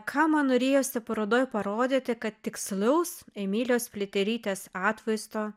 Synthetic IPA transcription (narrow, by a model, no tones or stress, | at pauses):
kʰɑːmɐnnoːɾʲeːjoːsʲɪpɐɾod̪oːjpɐɾoːd̪ʲɪt̪ʲɪkɐt̪t̪ʲɪksʲlʲɛʊsemʲiːlʲoːsʲpʲlʲɪt̪ʲɛɾʲiːt̪ʲeːsɑːt̪ʲʋɐɪst̪oː